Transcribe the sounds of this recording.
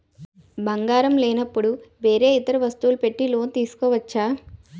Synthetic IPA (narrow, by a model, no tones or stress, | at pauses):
bɐŋɡaːɾɐmleːnɐpːuɽuʋe̞ːɾeːit̪ɐɾɐʋɐst̪uːlupe̞ʈːilo̞ːnt̪iːsu̥kɔːʋɐt͡ʃːaː